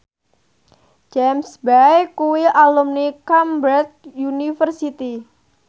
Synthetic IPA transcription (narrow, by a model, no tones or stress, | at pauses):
d͡ʒɛmsbajkuwiʔalumnikambɾat̪̚junifərsit̪i